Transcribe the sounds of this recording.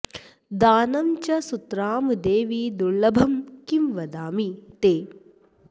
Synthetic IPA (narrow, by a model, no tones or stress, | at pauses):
d̪aːnɐmt͡ʃɐsut̪ɾaːmd̪eːʋid̪uɭlɐbʱɐmkimʋɐd̪aːmit̪eː